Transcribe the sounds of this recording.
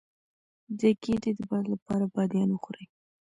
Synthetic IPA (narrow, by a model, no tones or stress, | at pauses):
d̪əkeded̪əbalapɑɾabɑd̪jɑnwəxɾəj